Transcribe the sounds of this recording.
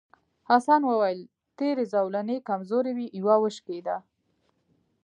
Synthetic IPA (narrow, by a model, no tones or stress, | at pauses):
hasɑnwəwajəl | t̪eɾezawlanekamzoɾewiʔiwawəʃked̪a